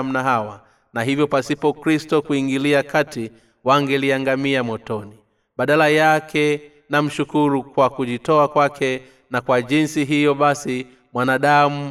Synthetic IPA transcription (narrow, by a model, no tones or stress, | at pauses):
m̩naɦawa | naɦivjɔpasipɔkɾistɔkuiŋɡiliakati | waŋɡɛliaŋɡamiamɔtɔni | ɓaɗalajakʰɛ | nam̩ʃukuɾukwakuʄitɔakwakʰɛ | nakwaʄinsiɦijɔɓasi | mwanaɗamu